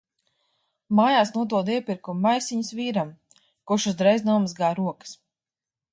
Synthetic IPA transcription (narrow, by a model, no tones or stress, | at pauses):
maːjaːsnuɔd̪uɔd̪iɛpiɾkumːajsiɲusviːɾam | kuʃuzd̪ɾɛjznuɔmazɡaːɾuɔkɨ̥s